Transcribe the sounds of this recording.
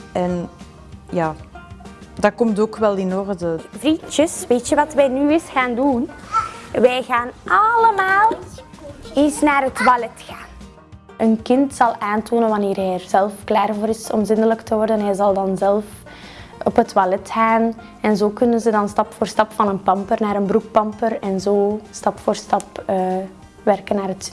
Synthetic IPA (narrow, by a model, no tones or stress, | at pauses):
ɛn | jaː | dakɔmtoːkʋɛlˠɪnɔrdəvɾit͡ʃəsʋeːtjəʋɑtʋɛjnyːɪsxaːndun | ʋɛjɣaːnʔɑləmaːlˠ | ɪsnaːɾɦətwalɛtxaːn | ʔənkɪntsɑlˠʔaːntʰoːnənʋɑneːrɦɛjərzɛlˠfklaːrvoːɾɪsɔmzɪndələktəwɔrdənɦɛjzɑlˠdɑnzɛlˠf | ɔpɦətʰwalɛtxaːn | ɛnzoːkɵnənzədɑnstɑpfoːrstɑpfɑnənpɑmpərnaːɾənbɾuk̚pɑmpərɛnzoːstɑpfoːrstɑpə | ʋɛrkənːaːrət